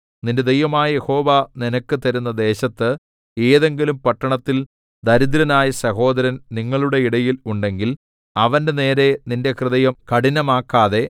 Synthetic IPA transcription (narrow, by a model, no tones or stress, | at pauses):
ninded̪ejʋɐmaːjɐjeho̞ːʋaninɐkːɨt̪ɐɾunːɐd̪e̞ːɕɐt̪ːɨ | e̞ːðe̞ŋɡilumpɐʈːɐɳɐt̪ːil | d̪ɐɾid̪ɾɐnaːjɐsɐɦo̞ːd̪ɐɾɐnniŋːɐɭuɽe̞iɽɐjiluɳɖe̞ŋɡil | ɐʋɐndene̞ːɾe̞ninde̞krɨðɐjɐmkɐɽinɐmaːkːaːðe̞